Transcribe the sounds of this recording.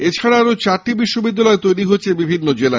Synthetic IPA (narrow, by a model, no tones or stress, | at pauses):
et͡ɕʰaɽaaɾot͡ɕaɾʈibiʃːobid̪ːalɔet̪ojɾiɦoːt͡ɕʰebibʱinːod͡ʑela